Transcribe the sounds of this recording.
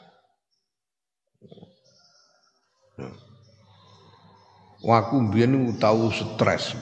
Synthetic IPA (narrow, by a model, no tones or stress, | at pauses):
wʔakumbijaniut̪awusət̪ɾɛ̰s